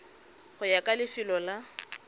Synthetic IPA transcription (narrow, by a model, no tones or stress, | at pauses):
χʊjakʼalɪfɪlɔla